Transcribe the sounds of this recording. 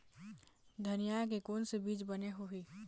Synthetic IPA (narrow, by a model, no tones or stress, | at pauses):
d̪ʱɐnijak̬ekoːnsebiːt͡ʃbɐneɦuɦiː